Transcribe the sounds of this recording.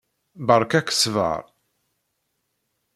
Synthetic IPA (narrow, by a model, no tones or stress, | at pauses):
bəɾˤkækːsvə̰ɾˤ